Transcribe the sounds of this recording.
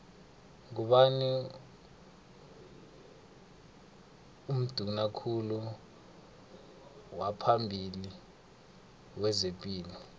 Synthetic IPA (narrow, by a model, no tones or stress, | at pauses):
k̬uɓani | um̩d̥ʱunakʰulu | wapʰambʱili | wɛzepʼiːli